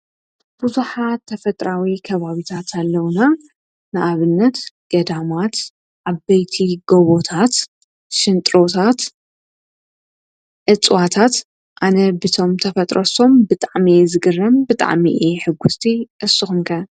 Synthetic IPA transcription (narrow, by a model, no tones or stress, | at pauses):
b̥uzuħat̪ʰːɐfɐt̪ʼɾawikʰɐβaβit̪ʰat̪ʰalːɐwna | nɨʔaβɨnːɐt̪ɡ̥ɐd̪amat̪ | ʕabɐjt̪ʰiɡoβot̪ʰat̪ | ʃɨnt̪ʼɾo̞t̪ʰat̪ | ʕɨt͡sʼwat̪ʰat̪ | ʔanɐbɨt̪ʰo̞mt̪ʰɐfɐt̪ʼɾɐso̞mbɨt̪ʼaʕmizɨɡɨrːɐmbɨt̪ʼa̰ʕmiʔeħɨɡːust̪ʰiʔɨsːɨxumkʰɐ